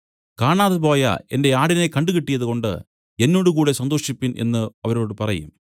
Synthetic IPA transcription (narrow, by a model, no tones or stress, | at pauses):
kaːɳaːðɨp̬o̞ːjɐ̰e̞̰nde̞aːɽinekɐɳɖukiʈːijɐðuko̞ɳɖɨ̰ | e̞nːo̞ːɽukuːɽe̞sɐnd̪o̞ːʂipːinʔe̞̰nːɨɐʋɐɾo̞ːɽɨpɐrɐjṵm